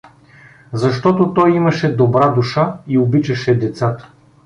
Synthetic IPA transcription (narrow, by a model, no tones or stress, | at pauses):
zɐʃt̪ɔt̪ot̪ɔjimɐʃɛd̪obɾad̪uʃaiobit͡ʃɐʃɛd̪ɛt̪sat̪ə̥